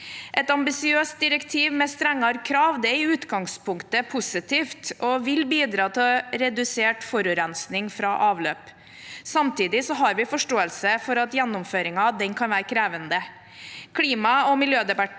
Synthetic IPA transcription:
ʔɛt̪ɑmbɪsɪøːst̪̚d̪ɪɾɛkt̪ʰiːʋmɛst̪ɾɛŋːɑɾkʰɾɑːʋd̪ɛɪʉːt̪ɡɑŋspʰʊŋkt̪əpʰʊsɪt̪ʰiːft̪ɔʋɪlbiːd̪ɾɑːt̪ʰɪlɔɾɛd̪ʉseːʈfɔɾʉːɾɛnsnɪŋfɾɑʔɑːʋlø̰ːp | sɑmt̪ʰiːd̪ɪsɔɦɑɾʋɪfɔʂʈoːəlsəfɔɾɑt̪jɛnːʊmføːɾɪŋɑd̪ɛnkʰɑnʋæːɾkʰɾeːʋənd̪ə | kʰliːmɑɔmɪljøːd̪ɛbɑ

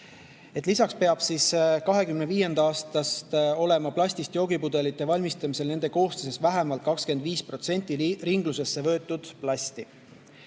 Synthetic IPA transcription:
e̞t̪ːˑlisɑkspe̞ɑb̥siskɑɦe̞kymneviːje̞nd̪ɑɑːst̪ɑst̪o̞le̞mɑplɑsʲt̪ist̪jo̞ːɡ̥ipud̪̥e̞lit̪ːˑe̞vɑlʲmist̪ɑmise̞lne̞nd̪̥e̞ko̞ːst̪ese̞svæɦemɑlt̪̚kɑkske̞nd̪viːspro̞t̪se̞nʲt̪ːˑiriŋɡluse̞sːe̞vɤ̞ːt̪ːˑud̪̥plɑsʲt̪i

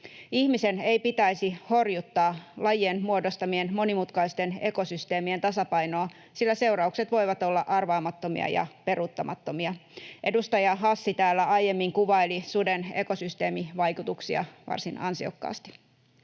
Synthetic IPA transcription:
ihmise̞ne̞ipit̪æjsiho̞rjut̪ːɑːlɑjenmuo̞dost̪ɑmienmo̞nimut̪kɑist̪e̞ne̞ko̞syst̪e̞ːmie̞nt̪ɑsɑpɑjnoː | silːæse̞uwɾɑukse̞t̪ʋo̞jʋɑt̪o̞lːɑʔɑrʋɑːmɑt̪ːomḭɑ̰jɑ̰pe̞rut̪ːɑmɑt̪ːo̞miɑʔe̞dust̪ɑjɑɦɑsːit̪æːlːæɑjje̞mːiŋkuʋɑelisude̞ne̞ko̞syst̪e̞ːmiʋɑjkut̪uksiɑ̰ʋɑ̰rsinɑ̰nsio̞̰kːɑ̰ːst̪i̥

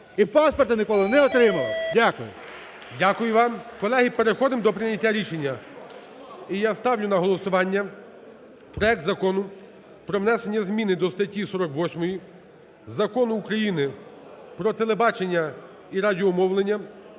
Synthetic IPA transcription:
ipaspɔrt̪ɪnɪkɔlˠɪnɛɔt̪ɾɪmɐlˠɪdʲakʊjʊ | dʲakʊjʊʋɑmkɔlˠɛɦɪpeɾexɔd̪ɪmd̪ɔpɾɪnʲːɐtʲːaɾʲiʃenʲːɐ | ijast̪ɑwlʲʊnɐɦɔlˠɔsʊʋɑnʲːɐ | pɾɔɛk̚t̪zɐkɔnʊ | pɾɔʋnɛsenʲːɐzmʲinɪd̪ɔst̪ɐtʲːisɔɾɔkʋɔsʲmɔji | zɐkɔnʊːkɾɐjinɪpɾɔt̪elˠebɑt͡ʃenʲːɐ | iɾadʲiɔmɔwlˠenʲːɐ

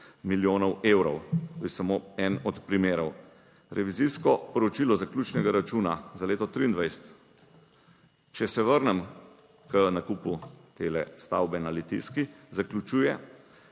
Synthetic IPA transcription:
miljoːnɔwewɾɔwt̪oːtjɛsamoɛnɔt̪pɾimeːɾɔw | ɾʔɛʋiziskɔpɔɾɔt͡ʃilɔzaklʲuːt͡ʃnɛɡaɾat͡ʃuːnazaleːt̪ɔt̪ɾiːnd̪ʋajsə̥t̪ | t͡ʃɛsɛʋəɾnɛm | kənakuput̪eːlɛst̪a̰wbɛnalit̪ḭskizaklʲut͡ʃuːjɛ

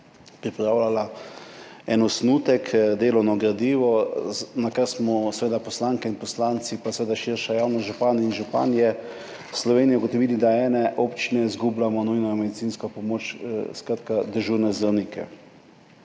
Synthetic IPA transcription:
pɾipɾaːwlala | ɛnɔsnuːt̪ɛkd̪eːlɔwnɔɡɾad̪iːʋɔnakaɾsmɔsɛʋeːd̪apɔslaŋkɛinpɔslant̪sipasɛʋeːd̪aʃiɾʃajawnaʒupaninʒupa̰njɛ | slɔʋeːnijɛuɡɔt̪ɔʋiːlid̪aɛːnɛʔɔpt͡ʃinɛizɡublamɔnujnɔjmɛd̪it̪sinskɔpɔmoːt͡ʃskɾat̪kad̪əɾʒuɾnɛzawnikɛ̰

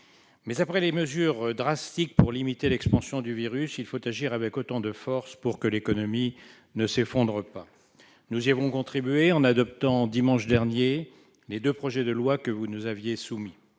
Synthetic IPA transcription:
mɛzapχɛleməzyʁd̪ʁast̪ik̚puʁlimit̪elɛkspɑ̃sjɔ̃d̪yviʁysilfot̪aʒiʁavɛkot̪ɑ̃d̪əfɔʁspuʁkəlekɔnɔmi | nəsefɔ̃d̪ʁəpa | nuziavɔ̃kɔ̃t̪χibɥeɑ̃nad̪ɔp̚t̪ɑ̃d̪imɑ̃ʃd̪ɛʁnje | led̪øpχɔʒɛd̪əlwakəvunuzavjesumi

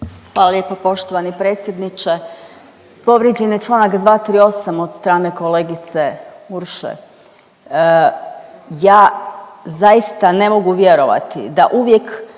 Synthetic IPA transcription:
xʋaːlˠalje̞ːpapo̞ʃt̪o̞ʋanipɾeːt̪sʲjed̪nit͡ʃe̞ | po̞ʋɾjed͡ʑenjet͡ʃlˠaːnakd̪ʋaːt̪ɾio̞samo̞d̪st̪ɾaːne̞ko̞leɡit̪se̞uɾʃḛ | jaːzaist̪ane̞mo̞ɡuʋje̞ɾo̞ʋa̰t̪ḭd̪aʔuʋje̞k

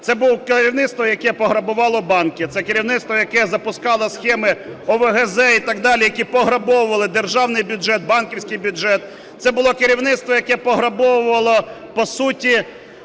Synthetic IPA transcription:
t̪sɛbuwkeɾʲiwnɪt̪st̪ʋɔjɐkɛpɔɦɾɐbʊʋɑlˠɔbɑnkɪt̪sɛkɪɾʲiwnɪt̪st̪ʋɔjɐkɛzɐpʊskɑlˠɔsxɛmɪɔʋeɦezɛit̪ɑɡd̪ɑlʲijɐkʲipɔɦɾɐbɔwʊʋɐlˠɪd̪erʒɑwnɪjbʲʊd͡ʒɛt̪̚bɑnkʲiwsʲkɪjbʲʊʒɛt̪ | t̪sɛbʊlˠɔkɪɾʲiwnɪt̪st̪ʋɔjɐkɛpɔɦɾɐbɔwʊʋɐlˠɔpɔsutʲi

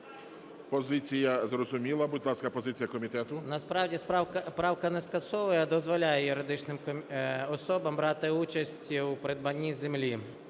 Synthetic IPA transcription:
pɔzɪt͡sʲijɐzrɔzʊmʲilˠɐbʊdʲlˠɑskɐpɔzɪt͡sʲijɐkɔmʲit̪ɛt̪ʊnɐspɾɑwdʲispɾɑwkɐnɛskɐsɔʋʊjɐd̪ɔzʋɔlʲajɛjʊɾɪd̪ɪt͡ʃnɪm | ɔsɔbɐmbɾɑt̪ɪut͡ʃɐsʲtʲwpɾɪd̪̚bɐnʲːizemlʲi

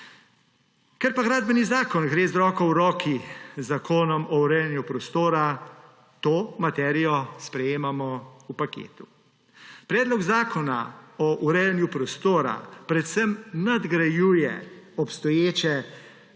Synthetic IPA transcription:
kɛɾpaɡɾaːd̪bɛnizaːkɔnɡɾeːzɾɔːkɔwɾɔːkʰizakʰoːnɔmɔuɾɛjɛnjupɾɔst̪oːɾa | t̪oːmat̪ɛːɾijɔspɾɛjeːmamɔupakḛːt̪u | pɾɛːd̪lɔɡzaːkɔnaɔʔuɾɛjɛnjupɾɔst̪oːɾa̰pɾɛt̪səmnad̪ɡɾajuːjɛ̰ɔpst̪ɔjeːt͡ʃɛ

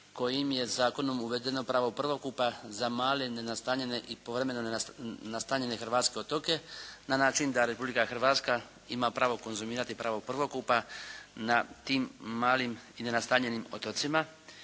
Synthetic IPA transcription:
ko̞jimje̞zaːko̞no̞muʋe̞d̪e̞no̞pɾaːʋopr̩ʋo̞kupazamaːlenenast̪aːɲe̞ne̞ʔipo̞ʋɾe̞me̞nonnast̪aːɲe̞ne̞xrʋaːt̪ske̞o̞t̪o̞ke̞nanaːt͡ʃind̪aɾe̞publikaxr̩ʋaːt̪ska | imapɾaːʋo̞ko̞nzumiːɾat̪ipɾaːʋopr̩ʋo̞kupanat̪iːmːaːlimine̞nast̪aːɲe̞nimo̞̰t̪o̞t̪sima

